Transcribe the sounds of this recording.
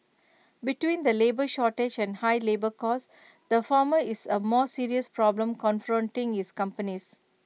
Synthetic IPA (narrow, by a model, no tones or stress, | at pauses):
biʈwĩːnd̪əleːbəʃɔːʈed͡ʒɛ̃nhaɪlebəkɔs | d̪əfaːməɪsəmɔːsiɾiəspɾɔblə̃mkɔ̃nfɾɔ̃nʈɪ̃ŋɪskʌ̃mpənis